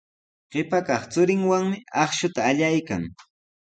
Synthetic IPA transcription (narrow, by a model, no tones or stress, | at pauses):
ɢ̥ɪpakɑχt͡sʊɾɪŋwaŋmɪɑχʃʊt̪aːʎajkaŋ